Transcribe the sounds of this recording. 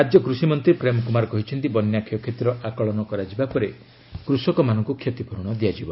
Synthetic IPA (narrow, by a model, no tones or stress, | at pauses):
ɾad͡ʒjɔkɾusimɔnt̪ɾipɾemɔkumaɾɔkɔɦit͡ʃʰɔnt̪ibɔnjakʰijɔkʰet̪iɾɔʔakɔɭɔnɔkɔɾad͡ʒibapɔɾe | kɾusɔkɔmanɔŋkukʰjot̪ipʰɔɾuɽ̃ɔd̪iad͡ʒibɔ